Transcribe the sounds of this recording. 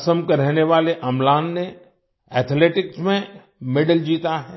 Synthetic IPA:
səmkeɾɛɦneʋaːleʔɐmlaːnːe | ɛːt̪ʰleːʈɪksmẽ | mɪɖəld͡ʒiːt̪aɦɛː

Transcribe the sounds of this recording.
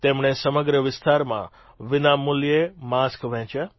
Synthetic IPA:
t̪emɳ̃esəməɡɾəʋɪst̪aɾmã̰ | ʋɪnamːuljemaskʋɛ̃t͡ʃa

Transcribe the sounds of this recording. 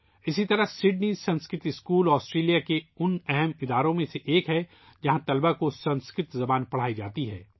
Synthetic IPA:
ɪsit̪ɐɾəɦsɪɖniːsɐ̃nskɾɪt̪ɪskuːlɔːsʈɾeːlijakeʊnɛɦɛmɪd̪aːɾõmẽseʔeːkɦɛ | d͡ʒɐɦãt̪ɐlbakosɐ̃nskɾɪt̪zɐbaːnpɐɽ̤aːid͡ʒaːt̪iɦɛ̰ː

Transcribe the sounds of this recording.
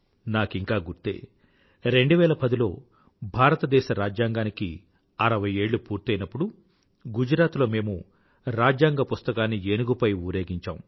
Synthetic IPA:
naːkiŋkaːɡuɾt̪e̞̰ː | ɾe̞ɳɖuʋɛːɭɐpɐd̪ilo̞ː | bʱaːɾɐt̪ɐd̪ɛːʃɐɾaːd͡ʒjaːŋɡaːniki | ɐɾɐʋɐje̞ːɭːupuːɾt̪ɐjnɐpːuɽu | ɡud͡ʒɾaːt̪lo̞ːme̞ːmu | ɾaːd͡ʒjaːŋɡɐpust̪ɐkaːnːienuɡupɐjuːɾe̞ːɡiɲt͡ʃa̰ːmu

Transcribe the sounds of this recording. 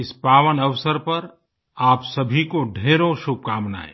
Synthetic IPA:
ɪspaːʋənɐʋsəɾpɐɾ | aːpsɐbʱikoɖʱeːɾõʃʊb̚kaːmna̰ɛ̰ː

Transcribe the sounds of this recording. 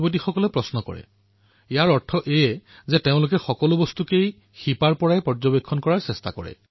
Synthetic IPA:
bot̬ixɔkɔlɛpɹɔsnɔkɔ̰ɹɛ̰ | ejaɹɔɹtʰɔʔejɛzɛteʊ̃lʊk̬ɛxɔkɔlʊbɔstukej | xipaɹpɔɹajpɔzɔbekʰːɔnkɔɹaɹsɛsta̰kɔ̰ɹɛ̰

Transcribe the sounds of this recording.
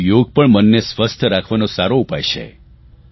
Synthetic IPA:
joɡ̚pəɳmənːesʋəst̪ʰəɾakʰʋanõsaɾoupajʃḛ

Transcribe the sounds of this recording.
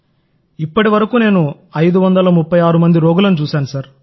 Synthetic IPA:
ipːɐʈiʋɐɾɐkuːne̞ːnu | ɐjd̪uʋɐnd̪ɐlɐmupːɐjaːɾumɐnd̪iɾoːɡulɐnut͡ʃuːsaːnusɐɾ

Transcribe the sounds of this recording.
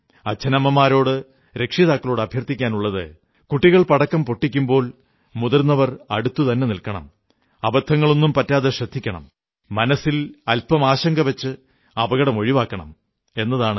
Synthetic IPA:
ɐt͡ɕʰːɐnɐmːɐmːaːɾo̞ːɽɨ | ɾe̞kʂiðaːkːɐlo̞ːɽɐbʱjɐrt̪ːikʲːaːnuɭːɐðɨ̰ | kuʈːiɣɐɭpɐɽɐkːɐmpo̞ʈːikʲːumbo̞ːl | muðɐrnːɐʋɐrɐ̰ɽut̪ːut̪ɐnːe̞nilkɐɳɐ̰m | ɐbɐd̪ʱʰːɐŋːɐɭonːumpɐtːaːðeɕrɐd̪ʱːikʲːɐɳɐ̰mː | ɐnɐsilɐlpɐmaːɕɐŋɡɐʋɐt͡ɕːɨ | ɐbɐɣɐɽɐmo̞ɻiʋaːkːɐɳɐ̰m | e̞nːɐðaːɳɨ

